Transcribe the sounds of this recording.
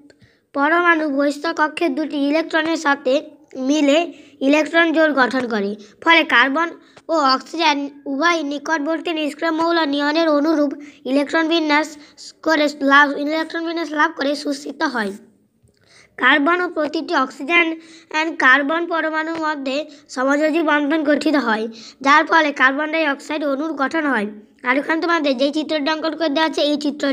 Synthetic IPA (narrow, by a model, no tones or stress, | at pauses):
pɔɾomanubojst̪ʰɔkɔkʰːed̪uʈiilek̚ʈɾoneɾʃat̪ʰe | mileilekʈɾond͡ʑolɡʱɔʈʰonkoɾipʰɔlekaɾbon | oɔksid͡ʑenubajnikoʈ̚boɾt̪iniskɾomowlɔnijoneɾonuɾubilek̚ʈɾonbʱieskoɾelailek̚ʈɾonbʱinːeslab̚ʱkoɾeʃust̪it̪oɦɔe | kaɾbonopɾot̪iʈiɔksid͡ʑenɛnkaɾbonpɔɾomanoɾmɔd̪ʱːeʃɔmod͡ʑod͡ʑibɔnd̪ʱonɡʱoʈʰit̪oɦɔed͡ʑaɾpɔlekaɾbonɖaɾiɔksajɖonuɾɡɔʈʰonɦɔe | aɾukʰant̪omɔd̪ʱːed͡ʑejt͡ɕit̪ːɾoɖɔŋkoɖkoɾed̪eat͡ɕʰeejt͡ɕit̪ːɾo